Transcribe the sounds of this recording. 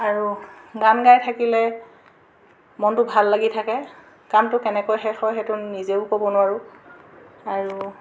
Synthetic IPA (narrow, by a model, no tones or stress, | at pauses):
aɹuɡanɡajtʰakilɛ | mɔntʊbʱalːaɡitʰakɛ | kamtʊkɛnɛkojxɛxɔjxɛtʊnizeʊkobɔnʊwaɹʊ | aɹu